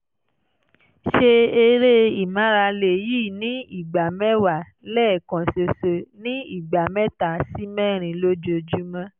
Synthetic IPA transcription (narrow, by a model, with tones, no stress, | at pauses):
ʃe˧e˧ɾe˦i˨mã˨˦ɾa˧le˨jiː˦˨nĩ˨˦i˦˨ɡ͡ba˨mɛ˦wa˨ | lɛː˦˨kã˨so˨so˨nĩ˦i˦˨ɡ͡ba˨mɛ̃˦ta˨si˦mɛ̃˦˨ɾ̃ĩ˨lo˦d͡ʒo˧d͡ʒu˦mã˦